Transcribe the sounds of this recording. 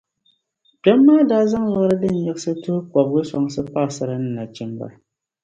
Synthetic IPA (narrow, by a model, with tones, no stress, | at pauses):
pɛ˦mːaː˦daː˦za˦ŋla˦ʔɾɨ˦dɨ˦n̩˨jɛ˦ɡsɨ˦tʊ˦hʊ˦k͡pɔ˨bɡɨ˦sɔ˨ŋsɨ˦pa˦˨sa˦ɾɨ˦nɨ˦na˨t͡ʃɛ˦mba̰˨